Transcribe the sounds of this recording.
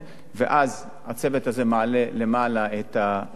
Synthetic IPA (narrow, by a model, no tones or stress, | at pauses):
vḛʔaz | at͡sevet̪hazemaʕalele̞malaet̪a